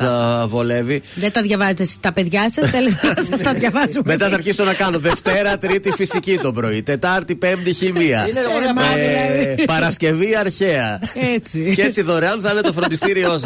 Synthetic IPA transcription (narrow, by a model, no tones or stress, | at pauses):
ɐvo̞le̞viðet̪ɐðʝɐvɐzet̪est̪ɐpeðʝɐsɐsθelezsɐt̪ɐðʝɐvɐzume̞t̪ɐθɐɾçiso̞nɐkɐno̞ðe̞ft̪e̞ɾɐt̪ɾit̪ifisicit̪o̞bɾo̞it̪e̞t̪ɐɾt̪ipe̞md̪içimiɐ̰ | pɐɾɐsce̞viɐɾçe̞ɐet͡siet͡siðo̞ɾeɐnθɐnet̪ofɾond̪ist̪iɾio̞s